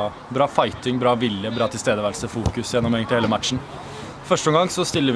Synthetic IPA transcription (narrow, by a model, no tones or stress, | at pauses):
bɾɑːfɑɪt̪ɪŋbɾɑːʋɪljəbɾɑːt̪ʰɪlst̪eːd̪əʋælsəfuːkʉsjɛnːɔmɛɡənt̪heːləmæt̪ʂn̩ | fœʂʈəɔŋɡɑŋsɔst̪ɪlːəɾ